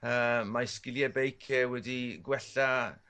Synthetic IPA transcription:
əːmajskɪlˠjɛbejkʰɛwɛdiɡwɛɬa

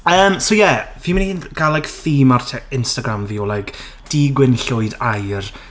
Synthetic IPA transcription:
əːmsowjɛv̥iːmɪnihiːnɡ̥alˠaɡ̥θiːmartʰɛɪnstaɡɾamviɔlˠajɡ̥ | d̥iɡwɪnɬʊɨdajr

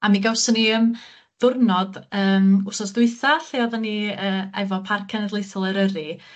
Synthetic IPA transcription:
amiɡawsɔniəm | ðʊrnɔdəːmʊsɔsdʊɨθaɬeɔðɔniəːɛvɔpʰarkʰɛnərlˠɪθɔlˠəɾəɾɨ

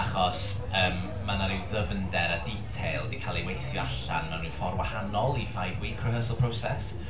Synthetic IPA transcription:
aχɔs | əːmː | anaɾiðəvəndɛɾaditʰejlˠdikʰaːlˠewejθjɔaɬanːɔnuːnfɔrwahanɔlˠifajvwiːkʰrəɦəːsəlˠpʰr̥owsɛ̰s

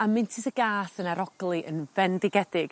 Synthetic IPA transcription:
amɪntʰɪsəɡaːsənaɾɔɡ̥lˠiʔə̰nvɛndɪɡɛdɪɡ̥

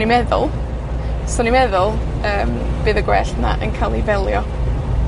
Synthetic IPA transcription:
nimɛðʊ̰lˠ | sɔnimɛðʊlˠəːmb̥eːðəɡwɛɬna̰ʔə̰nkʰaːlˠivɛlˠjɔ

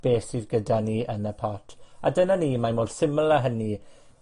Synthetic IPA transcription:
b̥eːsiðɡədaniːʔənəpʰɔtʰadənaniːmamoːd̥sɪməlˠəɦəni

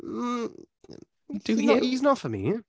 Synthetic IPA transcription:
d̥ɨiniznəfəmḭ

